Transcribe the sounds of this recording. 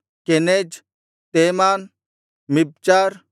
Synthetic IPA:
kened͡ʒ | t̪emaːn | mib̚t͡ʃaːɾ

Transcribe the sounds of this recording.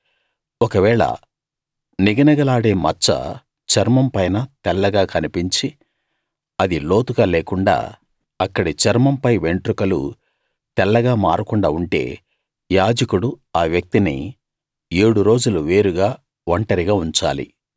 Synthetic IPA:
ɔkɐʋɛːɭɐ̰ | niɡɐnɐɡɐlaːɽe̞ːmɐt͡ʃːɐ̰ | t͡ʃɐɾmɐmpɐjnɐt̪ɛlːɐɡaːkɐnipiɲt͡ʃi | ɐd̪ilo̞ːt̪uɡaːleːkuɳɖa̰ː | ɐkːɐɽit͡ʃɐɾmɐmpɐjʋeɳʈɾukɐlṵ | t̪ɛlːɐɡaːmaːɾukuɳɖaːuɳʈe̞̰ː | jaːd͡ʒɐkuɽuaːʋjɐk̚t̪inḭ | e̞ːɽuɾo̞ːd͡ʒuluʋe̞ːɾuɡaː | ʋɐɳʈɐɾiɡaːuɲt͡ʃa̰ːlḭ

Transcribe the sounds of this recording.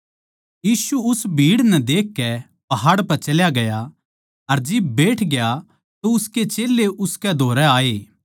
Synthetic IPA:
jiːsuʊsbʱiːɽnɛd̪eːkːɛ | pɐɦaːɽpɐɾt͡ʃɐljaɡɐja | ɐɾd͡ʒɪbːeːʈʰɡeja | t̪oʊsket͡ʃeːlːeʔʊskɛd̪ʱoːɾɛaːeː

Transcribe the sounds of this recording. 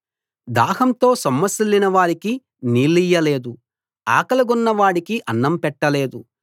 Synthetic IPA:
d̪aːhɐnt̪o̞ːsɐmːɐsilːinɐʋaːɾiki | niːlːijːɐle̞ːd̪u | a̰ːkɐlɐɡunːɐʋaːɽikiʔɐnːɐmpɛʈːɐle̞ːd̪u

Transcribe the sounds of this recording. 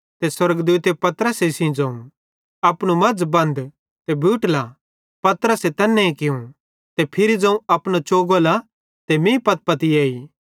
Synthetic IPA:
t̪eswɐɾəɡd̪uːt̪epɐt̪ɾəsesĩd͡zɐ̃ũ | ɐpɽ̃umɐd͡zbɐ̃nd̪ | t̪ebʱuːʈla | pɐt̪ɾəset̪ɛːnːɛ̃ĩkɪũ | t̪epʰɪɾid͡zɐ̃ũɐpñot͡ʃoːɡola | t̪emẽpɐt̪̚pɐt̪ieːiː

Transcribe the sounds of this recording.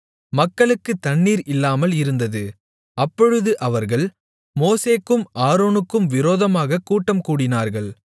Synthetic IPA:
mɐkːɐɭɯkːɯt̪ːɐɳːiːɾɪlːaːmɐlɪɾɯnd̪ɐðɯ | ɐpːɔɻɯðɯʔɐʋɐɾɣɐɭ | moːseːkːɯmʔaːɾoːnɯkːɯmʋɪɾoːðɐmaːɣɐkːuːʈːɐmkuːɽɪnaːɾɣɐɭ

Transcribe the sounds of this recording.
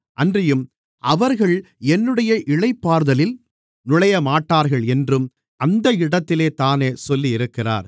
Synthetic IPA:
ʔɐndrɪjɯm | ʔɐʋɐɾɣɐɭ | ɛnːɯɽɐjɐʔɪɭɐɪpːaːɾðɐlɪl | nʊɭɐjɐmaːʈːaːɾɣɐɭɛndrɯm | ɐnd̪ɐɪɽɐt̪ːɪleːt̪aːneːsɔlːiɪɾɯkːɪra̰ːɾ

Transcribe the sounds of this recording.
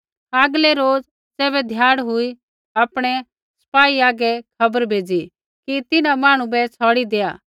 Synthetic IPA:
aːɡlɛɾoːd͡z | t͡sɛːbɛd̪ʱjaːɽ̃ɦʊi | apɽ̃ɛ | sɐ̥paːiaːɡɛkʰɐbəɾbʱeːd͡zi | kit̪ɪnãmaːɽ̃ũbɛt͡sʰɔːɽid̪eːa̰ː

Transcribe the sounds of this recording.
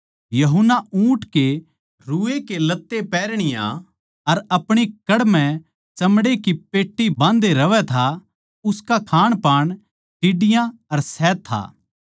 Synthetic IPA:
jɐɦʊnːaũːʈke | ɾuːekelɐt̪ːepɛːɾɽ̃ɪjã̰ | ɐɾɐpɽ̃ikɐɽmɛ̃ | t͡ʃɐmɽekipeːʈːibãːnd̪eɾɐʋɛt̪ʰa | ʊskakʰaːɽ̃paːɽ̃ | ʈɪɖɪjãɐɾsɛːt̪ʰːa̰ː

